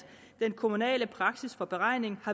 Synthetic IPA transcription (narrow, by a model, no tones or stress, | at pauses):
d̥enkʰo̝munɛ̰ːləpʰʁɑ̈ɡ̥sisfɒ̽b̥e̝ʁɑ̈ɪ̰ne̝ŋhɑ̈